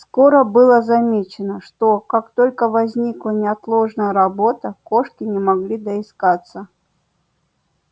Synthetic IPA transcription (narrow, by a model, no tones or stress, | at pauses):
sko̞ɾəbɨlˠəzɐmʲet͡ɕɪnəʂt̪okakt̪o̞lʲkəvɐzʲnʲiklˠənʲɪɐt̪lˠoʐnəjəɾɐbo̞t̪əkoʂkʲɪnʲɪmɐɡlʲid̪əɪskat̪sːə